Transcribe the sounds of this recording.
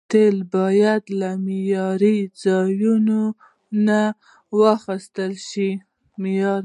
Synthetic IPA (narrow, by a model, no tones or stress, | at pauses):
t̪elbɑjad̪lamɪjɑɾid͡zɑjuno | na | wəxist̪əlʃi | mɪjɑɾ